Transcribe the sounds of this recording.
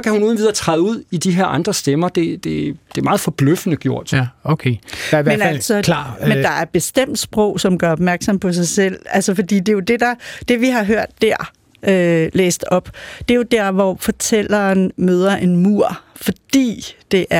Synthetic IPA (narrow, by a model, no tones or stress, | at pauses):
skʰæhunuːðˠnʋiðˠɐt͡sʰʁɑðˠuð̰ˠid̥iɦeɐ̰ɑ̈nd̥ʁɐsd̥emɐd̥e̝d̥e̝d̥emɑ̈ːð̩ˠfɒ̽b̥løfənəɡ̥jo̝ɐ̰d̥okʰemenælsɒmmend̥ɑ̈æɐb̥e̝sd̥em̰d̥sb̥ʁɔʊ̰sɒ̽mɡ̥ɶɐɒ̽b̥mæɐɡ̥sɒ̽mpʰɒ̽sɑ̈ɪsel̰ælsəfɒ̽d̥ḭːd̥e̝jo̝d̥e̝d̥ɑ̈d̥e̝ʋiɦɑ̈ɦøɐ̰d̥ːæɐ̰ | ølḛːsd̥ɒ̽b̥d̥e̝jo̝d̥æɐ̰ʋɒfɒ̽t͡sʰel̰ɐːnmøːð̞ˠɐʔe̝nmuɐ̰fɒ̽d̥ḭːd̥e̝ʔæɐ